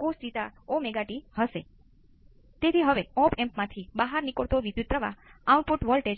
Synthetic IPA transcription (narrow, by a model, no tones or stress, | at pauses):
kosd͡ʒit̪aomeɡaʈihəʃe | t̪et̪ʰiɦəʋeɔ̃pɛ̃mpmãt̪ʰibaɦaɾnikoɭt̪oʋid̪jut̪pːɾəʋa̰auʈpoʈʋɔlʈe